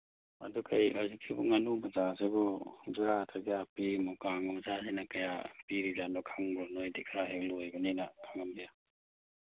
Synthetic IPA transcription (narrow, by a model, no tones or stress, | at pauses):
a̰dukʰajazikʰibuŋanumazasebɔɡatʰazapimɔkaŋɔmzazenakajapiɾizanɔkʰaŋbɾɔnɔjdikʰɾaɦeklɔjbaninakʰaŋambija